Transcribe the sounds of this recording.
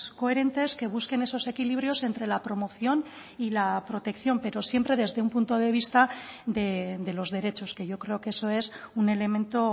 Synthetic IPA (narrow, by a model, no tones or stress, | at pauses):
ko̞e̞ɾe̞nt̪e̞ske̞β̞uske̞ne̞sose̞kiliβ̞ɾjo̞se̞nt̪ɾe̞lapɾo̞mo̞θjo̞n | ilapɾo̞t̪e̞kθjo̞mpe̞ɾo̞sje̞mpɾe̞ðe̞zðeumpunt̪o̞ðe̞β̞ist̪ad̪e̞d̪e̞lo̞zðe̞ɾe̞t͡ʃo̞ske̞ʝo̞kɾe̞okeso̞e̞sune̞le̞mẽnt̪o̞